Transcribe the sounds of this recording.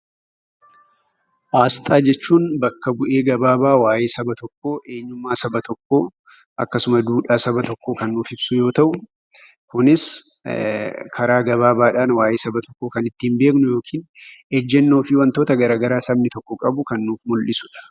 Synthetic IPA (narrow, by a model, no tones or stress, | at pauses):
ʔaːst̪ʼaːd͡ʒɛt͡ʃːuːnbɐkːɐbʊʔe̞ːɡɐbaːbaːwaːjeːsɐbɐt̪ɔkːo̞ːʔe̞ːɲːʊmːaːsɐbɐt̪ʰɔkːo̞ː | ʔɐ̰kːɐsʊmɐd̪uːᶑaːsɐbɐt̪ɔkːoːkɐnːuːfɪbsʊjo̞ːt̪ɐʔʊ | kʊnɪs | kʰɐɾaːɡɐbaːbaːᶑaːnwaːjeːsɐbɐt̪ɔkːoːkɐnɪt̪ːiːmbe̞ːknʊjo̞ːkʰiːnɛd͡ʒːɛnːo̞ːfɪwɐnt̪o̞ːt̪ɐɡɐɾaːɡɐɾaːsɐbnɪt̪ɔkːɔkʼɐbʊkɐnːuːfmʊlʔɪsʊᶑɐ̥